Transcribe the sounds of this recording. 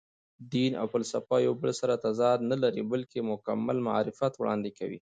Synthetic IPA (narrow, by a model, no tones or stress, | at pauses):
d̪ina̰wfalsafɑjawbəlsaɾat̪azɑd̪nalaɾibəlkemʊkamːa̰lma̰ɾɪfjat̪wɽɑ̰nd̪ekawḭ